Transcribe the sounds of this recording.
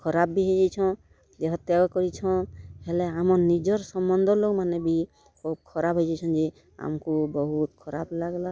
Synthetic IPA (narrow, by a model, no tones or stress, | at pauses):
kʰɔɾab̚ːiɦɔjd͡ʒajt͡ʃʰɔ̃ | d̪eɦɔt̪jaɡɔkɔɾit͡ʃʰɔ̃hɛlɛamɔnnid͡ʒɔɾsɔmbɔnd̪ʱɔlokmanɛbi | kʰɔb̚kʰɔɾabʱɦɔjd͡ʒajt͡ʃʰɔ̃nd͡ʒe | a̰mkubɔɦut̪kʰɔɾablaɡla